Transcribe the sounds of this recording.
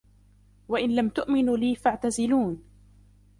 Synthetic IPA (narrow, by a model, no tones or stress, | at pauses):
waʔɪnlamt̪ʊʔmɪnuːliːfaʕt̪azɪluːn